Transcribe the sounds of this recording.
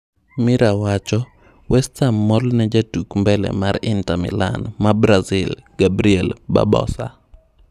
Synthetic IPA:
mɪɾawat͡ʃɔ | wɛstamːɔlnɛd͡ʒatukmbɛlɛ̰maɾɪntamɪ̰la̰nmabɾazɪlɡ̥abɾiɛlba̰bɔ̰sa

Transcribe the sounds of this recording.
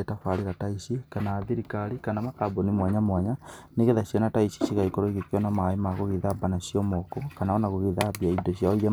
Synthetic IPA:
etafaɾiɾataisikanaːðiɾikaɾikanamakabonimwaɲamwaɲaneɣeðasjɔnataisi̥siɣaikoɾoiɣekiɔnamaemaɣoɣiðabanasijɔmɔkokanaɔnaɣoɣiðabiaidoɕjaoie

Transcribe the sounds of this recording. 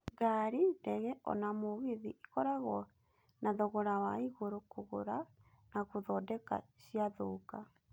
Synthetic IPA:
ɡaɾidɛɣɛʔɔ̰namoɣiðiʔikɔɾaɣɔ | naðoɣoɾawaiɣoɾokoɣoɾa | naɣoðɔdɛka̰ɕiaðoka

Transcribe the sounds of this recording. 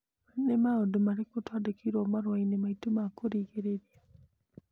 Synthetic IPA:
manemaodumaɾikotwadekʰiɾɔmaɾwainemaitumakoɾiɡeɾeɾia

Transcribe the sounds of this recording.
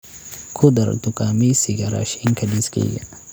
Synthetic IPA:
kʰud̪ɐɾ̰d̪ukʼamisiɡɐɾa̰ʃɪŋkʰɐdiskʼḛɡa̰

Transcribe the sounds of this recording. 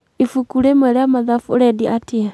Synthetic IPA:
ifukuɾɛmɛɾeamaðafuɾɛdiʔatia

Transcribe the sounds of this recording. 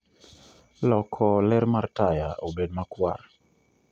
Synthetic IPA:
lɔkʰɔlɛɾmartaja̰obedmakwa̰r

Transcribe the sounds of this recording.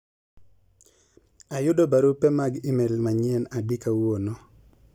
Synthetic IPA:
ajʊdobaɾupɛmaɡɪmelmaɲɪɛnabikawonɔ

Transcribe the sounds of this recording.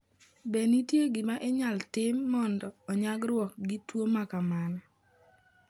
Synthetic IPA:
benitjeɡɪmaʔeɲaltɪmːɔndɔːɲaɡɾwɔk̚ɡitwomakamanɔ

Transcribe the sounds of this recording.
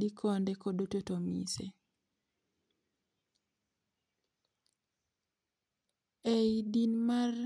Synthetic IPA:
ikʰɔndɛkodototomḭse | eidinmar

